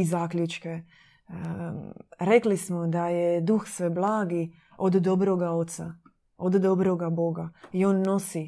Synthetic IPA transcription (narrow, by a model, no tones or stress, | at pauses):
izaːkʎut͡ʃke | ɾe̞klismod̪ajed̪uxsʋeblˠaːɡi | od̪d̪o̞bɾoɡaot̪sa̰ | od̪d̪obɾoɡabo̞ɡaio̞ːnːo̞si